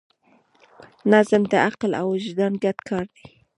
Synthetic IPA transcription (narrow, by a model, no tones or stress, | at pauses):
nazəmd̪əʔaqla̰wɪʒd̪ɑnɡad̪kʰɑɾd̪i